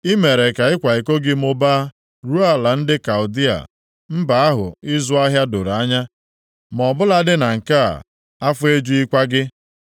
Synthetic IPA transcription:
i˦me˨ɾe˨ka˨ɪ˦kʷa˨i˨ko˦ɡɪ˦m̩˦ʊ˦ba˦ | ɾu˦a˦la˨n̩˦dɪ˦ka˨ʊ˨di˦a̰˨ | m̩˦ba˨a˦ɦʊ̰˨ɪ˦zʊ˦a˦ɦja˦dʊ˨ɾa˦ɲa˦ | m˨ɔ˨bʊ˦la˦dɪ˦na˨ŋ̩˨ka̰˦˨ | a˦fʊ˦e˦d͡ʒu˦i˦kʷa˦ɡɪ˦

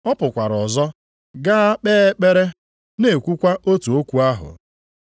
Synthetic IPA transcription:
ɔ˦pʊ˨kʷa˨ɾɔ˨zɔ˦ | ɡa˦a˦k͡peː˦e˦k͡pe˦ɾe˦ | ne˨kʷu˦kʷa˦o˦tu˨o˦kʷu˦a˦ɦʊ̰˨

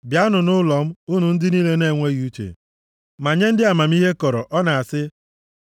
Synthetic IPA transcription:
bja˨˦nʊ˨nʊ˦lɔ˨m̩˦u˦nu˨n̩˦dɪ˦niː˦le˦ne˦˨ŋʷe˦ɣi˨u˦t͡ʃḛ˨ | ma˨ɲe˦n̩˦dɪ˦a˨ma˨m̩˦i˦ɦe˦kɔ˨ɾɔ˨ʔɔ˦na˨a˨sɪ˦

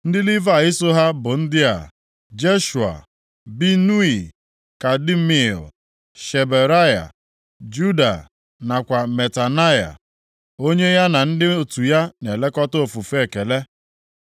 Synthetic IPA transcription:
n̩˦dɪ˦li˦va˦˨i˦so˦ɦa˦bʊ˨n̩˦dɪ˦a̰˨ | d͡ʒe˦ʃu˨a̰˨ | bi˦nu˦i˨ | ka˨di˦mḭ˦˨l | ʃe˨be˨ɾa˦ja̰˨ | d͡ʒu˦da̰˨ | na˨kʷa˨me˨ta˨na˦ja̰˨ | o˦ɲe˦ja˦na˨n̩˦dɪ˦o˨tu˨ja˦ne˨le˦kɔ˦to˨fu˨fe˦˨ke˨le˦

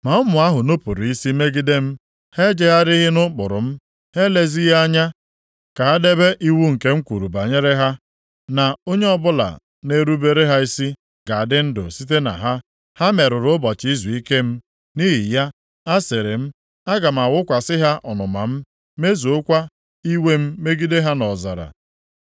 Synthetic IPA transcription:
ma˨ʊ˦mʊ˨a˦ɦʊ˨no˦pʊ˨ɾi˦si˦me˦ɡɪ˦de˦m̩˦ | he˦d͡ʒe˦ɦa˦ɾɪ˦ɦɪ˦nʊ˦k͡pʊ˨ɾʊ̰˨m̩˦ | he˦le˦zi˦ɦa˦ɲa˦ | ka˨ɦa˦de˦be˦ʔi˦wu˦ŋ̩˨ke˦ŋ̩˦kʷu˨ɾu˨ba˨ɲe˦ɾe˦ɦa˦ | na˨o˦ɲe˦ɔ˦bʊ˦la̰˨ | ne˦ɾu˦be˦ɾe˦ɦa˦i˦si˦ | ɡ̥a˨a˨dɪ˦n̩˦dʊ̰˨si˦t̬e˦na̰˨ɦa˦ | ha˦me˨ɾʊ˨ɾʊ˦bɔ˨t͡ʃi˦zu˨i˦ke˦m̩˦ | ni˦ɦi˨ja˦ | a˦se˨ɾe˨m̩˦ | a˦ɡa˨m̩˨a˨wʊ˦kʷa˨sɪ˦ɦa˦ʔɔ˨nʊ˨ma̰˨m̩˦ | me˦zu˨ʊ˦kʷa˦ | i˦we˦m̩˦me˦ɡi˦de˦ɦa˦nɔ˨za̰˨ɾa̰˨

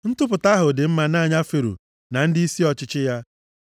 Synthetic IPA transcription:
n̩˦tʊ˦p̬ʊ˨ta˦ɦʊ˨dɪ˨m̩˦ma˨na˦˨ɲa˦fe˨ɾṵ˨ | na˨n̩˦dɪ˦i˦si˦ɔ˨t͡ʃɪ˦t͡ʃɪ˦ja˦

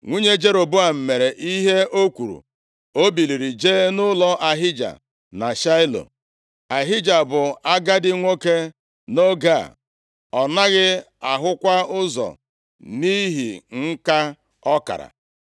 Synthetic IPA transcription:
ŋʷu˦ɲe˦d͡ʒe˦ɾo˨bu˦a˨m̩˨me˨ɾe˨ʔi˦ɦe˦o˦kʷu˨ɾṵ˨ | o˦bi˨li˨ɾi˨d͡ʒeː˦nʊ˦lɔ˦ʔa˨ɦɪ˦d͡ʒa̰˨ | na˨ʃa˦ɪ˦lo̰˨ | a˨ɦɪ˦d͡ʒa˨bʊ˨a˦ɡa˦dɪ˦ŋʷo˦ke˦ | no˦ɡa˦˨ | ɔ˨na˦ɣɪ˦ | a˨ɦʊ˦kʷa˦ʊ˦zɔ̰˨ | ni˦ɦḭ˨ŋ̩˦ka˦ | ɔ˦ka̰˨ɾa̰˨

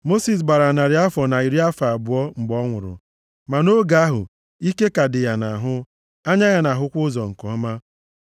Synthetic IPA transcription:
mo˦si˨s̬ɡ͡ba˨ɾa˨na˨ɾɪ˨˦a˦fɔ˨na˨i˨ɾi˦a˦fa˨a˨bʊ˨ɔ˦ŋ͡m̩˨ɡ͡bɔ˦ŋʷʊ˨ɾʊ̰˨ | ma˨no˦ɡa˦ɦʊ̰˨ | i˦ke˦ka˨dɪ˨ja˨na˨ɦʊ˦ | a˦ɲa˦ja˦na˨ɦʊ˦kʷʊ˦zɔ˨ŋ̩˨kɔ˨ɔ˦ma˦

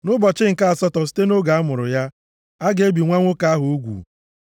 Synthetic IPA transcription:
nʊ˦bɔ˨t͡ʃɪ˦ŋ̩˨ka˦a˨sɔ˦tɔ˨s̬i̥˦te˦no˦ɡa˨a˦mʊ˨ɾʊ̰˨ja˦ | a˦ɡe˨˦bi˨ŋʷa˦ŋʷʊ˦ka˦a˦ɦʊ˨o˦ɡʷṵ˨

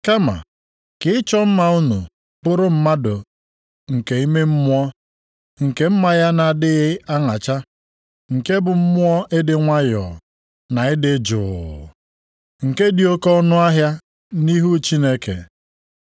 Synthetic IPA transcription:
ka˦ma̰˨ | kɪ˨˦ɪ˦t͡ʃɔ˦m̩˦ma˨ʊ˦nṵ˨ | pʊ˦ɾʊ˦m̩˦ma˦dʊ˨ | ŋ̩˨ke˨i˦me˦m̩˦mʊ˦ɔ˦ | ŋ̩˨ke˦m̩˦ma˨ja˦na˨dɪ˦ɣɪ˦a˦ŋa˨t͡ʃa˦ | ŋ̩˨ke˦bʊ˨m̩˦mʊ˦ɔ˦ʔe˦dɪ˨ŋʷa˦jɔ̰˨ | na˨ɪ˦dɪ˦d͡ʒʊ̰˨ | ŋ̩˨ke˦di˨o˦kɔ˦nʊ˦a˦ɦja˦ | ni˦ɦu˦t͡ʃi˦ne˦kḛ˨

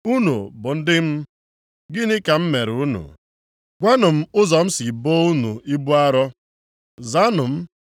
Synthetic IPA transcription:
u˦nṵ˨bʊ˨n̩˦dɪ˦m̩˦ | ɡɪ˦nɪ˦ka˨m̩˦me˨ɾu˦nṵ˨ | ɡʷa˦nʊ˨m̩˦ʊ˦zɔ˨m̩˦si˨boː˦u˦nu˨i˦bu˦a˦ɾɔ˦ | za˦nʊ˨m̩˦

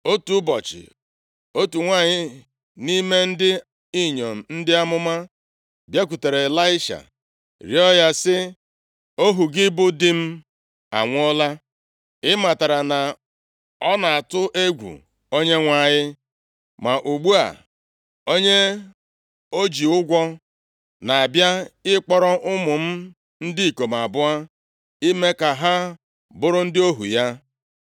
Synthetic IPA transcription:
o˦tu˨˦bɔ˨t͡ʃɪ̰˨ | o˦tu˨ŋʷaː˦˨ɲɪ˦ | ni˦me˦n̩˦dɪ˦ | i˦ɲo˨m̩˨n̩˦dɪ˦a˦mʊ˦ma˦ | bja˦k̬ʷu˨te˨ɾe˨la˦ɪ˦ʃa̰˨ | ɾi˨ɔ˦ja˦sɪ˦ | o˦ɦu˨ɡɪ˦bʊ˦dɪ˦m̩˦ | a̰˨ŋʷ˦ɔ˦la˦ | ɪ˦ma˨ta˨ɾa˨na˨ | ɔ˦na˨a˨tʊ˦ʔe˦ɡʷṵ˨ | o˦ɲe˦ŋʷa˨ɲɪ˦ | ma˨ʔu˨ɡ͡bu˦a̰˨ | o˦ɲe˦ | o˦d͡ʒi˨ʊ˦ɡʷɔ˦ | na˨a˨bja˦ɪ˦k͡pɔ˦ɾɔ˦ʔʊ˦mʊ˨m̩˦ | n̩˦dɪ˦i˨ko˨m˨a˨bʊ˦a˦ | i˦me˦ka˨ɦa˦ | bʊ˦ɾʊ˦n̩˦dɪ˦o˦ɦṵ˨ja˦

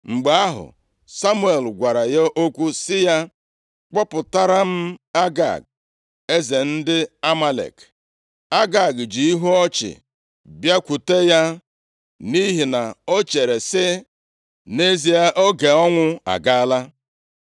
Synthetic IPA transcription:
ŋ͡m̩˨ɡ͡ba˨a˦ɦʊ̰˨ | sa˦mu˦e˨lɡʷa˨ɾa˨ja˦ʔo˦kʷu˦sɪ˦ja˦ | k͡pɔ˦pʊ˨ta˦ɾa˦m̩˦a˦ɡa̰˨ɡ̚ | e˦ze˨n̩˦dɪ˦a˦ma˦lḛ˨k | a˦ɡa˨ɡd͡ʒi˨i˦ɦu˦ɔ˦t͡ʃɪ̰˨ | bja˦kʷu˨te˦ja˦ | ni˦ɦi˨na˨o˦t͡ʃe˨ɾe˨sɪ˦ | ne˦zi˦ja˦ʔo˦ɡe˨ɔ˦ŋʷʊ˦a̰˨ɡa˦la˦

